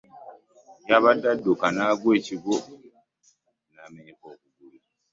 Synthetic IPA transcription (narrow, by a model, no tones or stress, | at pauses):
jaβadadːokanaːɡweːciɡo | naːmeɲekoːkuɡuli